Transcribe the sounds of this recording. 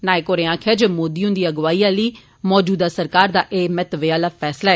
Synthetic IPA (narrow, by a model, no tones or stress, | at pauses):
naːekoːɾẽãːkʰɛːd͡ʒmoːd̪iːõːnd̪iːəɡʋaːiːãːliː | mɔːd͡ʒuːd̪aːsəɾkaːɾd̪aːʔeːmɛt̪ʋeaːlaːpʰɛːslaːɛː